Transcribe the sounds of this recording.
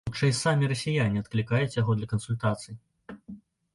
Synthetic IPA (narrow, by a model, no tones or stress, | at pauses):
ut͡ʂɐjsamʲiɾɐsʲijanʲiɐt̪̚klʲikajut͡sʲjaɣɔd̪lʲɐkɐnsulʲt̪at̪sɨj